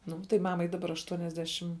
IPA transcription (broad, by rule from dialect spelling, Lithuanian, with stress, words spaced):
ˈnʊ tɐɪ ˈmɑːmɐɪ dɐˈbɐr ɐʃtuɔnʲɛzʲˈdʲæːʃʲɪm